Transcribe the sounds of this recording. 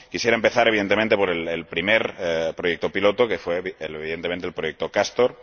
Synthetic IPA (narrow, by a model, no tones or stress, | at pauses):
kisje̞ɾaempe̞θaɾe̞β̞iðe̞nt̪ement̪e̞po̞ɾelelpɾimeɾpɾo̞jek̚t̪o̞pilo̞t̪o̞kefwe̞eβiðe̞nt̪ement̪elpɾo̞jek̚t̪o̞kast̪oɾ